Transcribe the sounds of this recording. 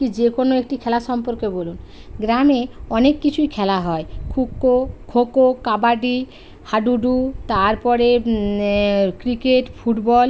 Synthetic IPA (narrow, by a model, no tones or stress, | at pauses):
kid͡ʑekonoek̚ʈikʰɛlaʃɔmpoɾkebolun | ɡɾameɔnekːit͡ɕʰujkʰɛlaɦɔekʰukːokʰokokabaɖi | haɖuɖut̪aɾpɔɾe | kɾikeʈfʰuʈbɔl